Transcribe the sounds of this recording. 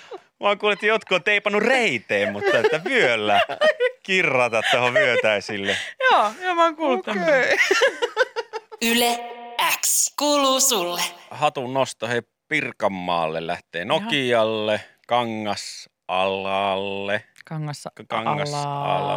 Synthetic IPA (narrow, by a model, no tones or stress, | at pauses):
mɑŋkuːlet̪ːijot̪̚kuot̪ːeˑipɑnːureit̪eːmmut̪ːɑet̪ːæʋyølːækirːɑt̪ɑt̪t̪ohoʋyøt̪æisilːejoːomɑŋkult̪ | yleækskuːluːsulːehɑt̪unnost̪ohe | pirkɑmːɑ̰ːlːḛllæ̰ht̪ḛːnokiɑlːe | kɑŋːɑs | ʔɑ̰lɑlːeŋkɑ̰ŋːɑsɑ̰lɑ̰